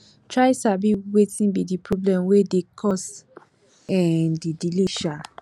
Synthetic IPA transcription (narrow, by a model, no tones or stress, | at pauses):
tɹaɪsabiwetĩnbidipʰɹɔblɛ̃mwedekʰɔs | ɛ̃ndidiliʃa